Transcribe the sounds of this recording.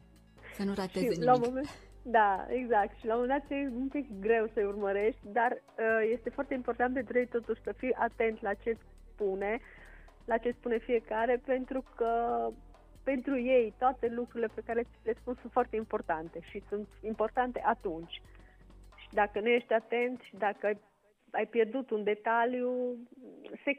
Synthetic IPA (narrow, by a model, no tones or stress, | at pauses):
sənuɾaʃeilamomed̪aeɡzak̚t̪ʃilawmomend̪at̪kemut̪ekɡɾe̞wsəeurməɾe̞ʃt̪ʲd̪ar | əje̞st̪e̞foart̪eimpo̞rt̪ant̪pe̞nt̪ɾuje̞jt̪o̞t̪uʃʲsəfijʔat̪e̞nt̪lat͡ʃe̞s | pune̞ | lat͡ʃe̞spune̞fije̞kaɾe̞pe̞nt̪ɾukʰə | pe̞nt̪ɾuje̞jt̪oat̪e̞lukɾuɾile̞pekaɾeslespunsunt̪foart̪eimpo̞rt̪ant̪e̞ʃisunt̪impo̞rt̪ant̪e̞ʔat̪unt͡ʃʲ | ʃid̪akənuje̞ʃt̪ʲat̪e̞nt̪ʃid̪akəaj | ajpje̞rd̪ut̪und̪e̞t̪alju | se̞